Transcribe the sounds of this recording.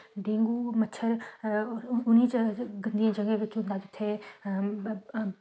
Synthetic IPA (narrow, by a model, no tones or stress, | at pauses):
ɖẽːŋɡuːmətːʃʰəɾ | ʊnit͡ʃɡɐ̃nd̪ijãd͡ʒɐɡẽʋɪt͡ʃʊ̃nd̪aːd͡ʒɪt̪ʰe